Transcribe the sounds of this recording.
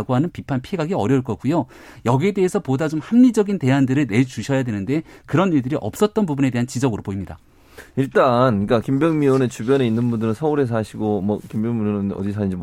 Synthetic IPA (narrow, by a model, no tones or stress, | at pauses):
ɡoɦanɯnpipʰanpʰieɡaɡiʌɾjʌuɭk͈ʌk͈ujojʌɡie̞de̞ɦesʰʌpodad͡ʑomhaŋɲid͡ʑʌɡinte̞ɦandɯɾɯɭne̞t͡ɕuɕʰʌjadwe̞nɯnde̞kɯɾʌniɭdɯɾiʔʌ̰p̚s͈ʌt̚t͈ʌnpubune̞de̞ɦant͡ɕid͡ʑʌɡɯɾopoimɲida̰ | iɭt͈anik͈akimbjʌŋmione̞t͡ɕubjʌne̞inːɯnbundɯɾɯnsʰʌuɾe̞s̬ʰaɕʰiɡomʌkimbjʌŋmionɯnʌ̰dis̬ʰʌind͡ʑim